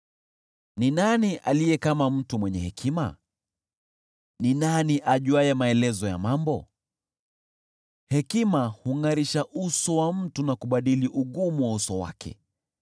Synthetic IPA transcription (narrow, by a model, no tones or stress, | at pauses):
ninaniʔalijɛkamam̩tumwɛɲɛhɛkʰima̰ | ninaniʔaʄuajɛmaɛlɛzɔja̰mambɔ | hɛkimahuŋaɾiʃaʔusɔwam̩tunakuɓaɗiliʔuɠumuwausɔwa̰kʰɛ̰